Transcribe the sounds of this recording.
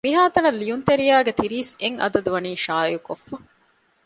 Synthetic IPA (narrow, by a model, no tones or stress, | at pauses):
miɦaːt̪ɐnɐlːiunt̪eɾijaːɡet̪iɾiːseŋʔɐ̰d̪ɐd̪uʋɐniːʃaːjukofːɐ